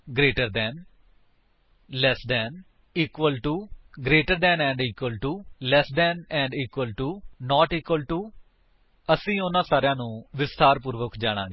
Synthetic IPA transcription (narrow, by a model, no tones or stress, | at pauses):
ɡɾeːʈəɾd̪ɛːn | lɛsd̪ɛːn | iːkʋəlʈuːɡɾeːʈəɾd̪ɛ̃ːnɛ̃ːɳɖiːkʋəlʈuːlɛsd̪ɛːnɛ̃ːɳɖiːkwəlʈuːnɔːʈiːkwəlʈuː | əsĩːʊnãːsaːɾɪjãːnũːʋɪst̪aːɾpuːɾʋəkd͡ʒaːɽ̃ã̰ːɡeː